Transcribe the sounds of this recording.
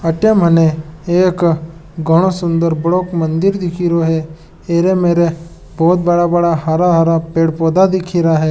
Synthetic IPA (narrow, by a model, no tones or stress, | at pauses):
ɐʈjəməneeːkɡʱəɽ̃osʊ̃nd̪əɾbɽoːkmɐ̃nd̪ɪɾd̪ɪkʰiɾoɦɛ | eːɾemeːɾe | bɔːt̪̚bɐɽabɐɽaɦaɾaɦaɾapeːɽpoːd̪ad̪ɪkʰiɾaɦɛː